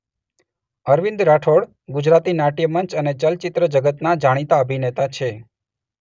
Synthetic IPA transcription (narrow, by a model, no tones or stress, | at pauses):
əɾʋɪ̃nd̪ɾaʈʰoɽ | ɡud͡ʒɾat̪inaʈijəmənt͡ʃənet͡ʃəlt͡ʃɪt̪ɾəd͡ʒəɡət̪nad͡ʒaɽ̃it̪aəbʱinet̪at͡ʃʰe